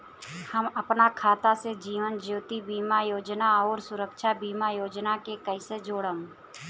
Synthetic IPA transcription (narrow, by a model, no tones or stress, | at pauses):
həmɐpnakʰaːt̪ased͡ʒiːʋənd͡ʒoːt̪ibiːmajoːd͡ʒnaɔːɾsʊɾəkʃabiːmajoːd͡ʒnakekəɪsed͡ʒoːɽəm